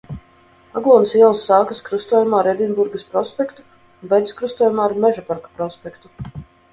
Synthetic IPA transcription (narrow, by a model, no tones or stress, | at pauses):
aɡlˠuːnsiɛlˠsːaːkaskɾust̪uɔjumaːɾɛd̪ʲinbuɾɡɐspɾɔspʲɛkt̪u̥ | unbɛjd̪skɾust̪uɔːjumaːɾmɛʒapaɾkḁpɾɔspʲɛkt̪u